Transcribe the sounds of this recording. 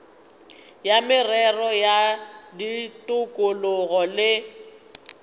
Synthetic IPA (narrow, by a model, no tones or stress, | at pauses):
jamɪrɛrɔjaditʼʊkʼʊlʊɣɔlɪ